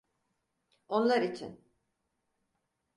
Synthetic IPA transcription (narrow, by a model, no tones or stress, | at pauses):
o̞nlˠaɾit͡ʃʰḭn